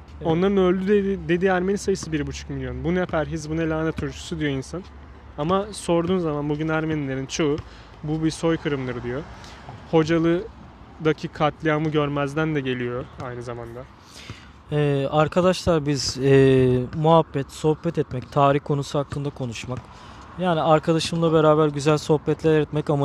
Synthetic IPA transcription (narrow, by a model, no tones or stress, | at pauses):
o̞nlˠaɾɯnølʲd̪yd̪eid̪e̞d̪iæɾme̞nisajɯsɯbiɾbut͡ʃʰu̥kmilʲjo̞nbunɛpʰæɾɦizbunelʲaːnɛt̪ʰuɾt͡ʃʰu̥sud̪ijo̞insan | amaso̞ɾd̪uːnzamanbuɟynæɾme̞nilʲe̞ɾint͡ʃʰo̞ː | bubiso̞jkʰɯɾɯmd̪ɯɾɯd̪ijo̞ | ho̞d͡ʒalˠɯ | d̪acʰikʰat̪lʲˠijamɯɟøɾmæzd̪ænd̪ɛɟe̞lʲijo̞ajnɯzamand̪a | ɛːaɾkʰad̪aʃlˠaɾbizɛːmuɦabːɛt̪so̞hbɛt̪ɛt̪mɛct̪ʰaːɾiçkʰo̞nusuɦaklˠɯnd̪akʰo̞nuʃmak | jaːniaɾkʰad̪aʃɯmlˠabe̞ɾaːbæɾɟyzælʲso̞hbɛt̪lʲæɾɾɛt̪mɛcama